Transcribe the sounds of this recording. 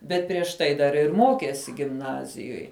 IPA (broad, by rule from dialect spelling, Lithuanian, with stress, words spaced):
bʲɛt pʲrʲiɛʃ ˈtɐɪ dɐr ɪr ˈmoːkʲeːsʲɪ ɡʲɪmˈnɑːzʲɪjoːj